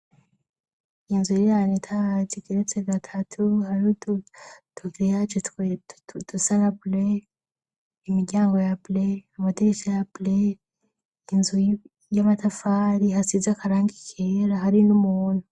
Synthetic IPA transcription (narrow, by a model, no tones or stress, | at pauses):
inzujijanetʰaziɡeɾet͡seɡatʰatʰuhaɾu | tʰuɡiɾejat͡ʃotedusanable | imiɡɟaːŋɡo̞jableamateɡisejable | inzu | jamatʰafaːɾihasizakaɾaːŋɡikʰeɾaɦaɾinumuːn̥u